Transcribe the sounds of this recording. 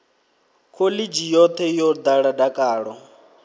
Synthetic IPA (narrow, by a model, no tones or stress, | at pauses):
kʰolid͡ʒijɔt̪ʰɛjɔd̪aɺadakʼaːɺɔ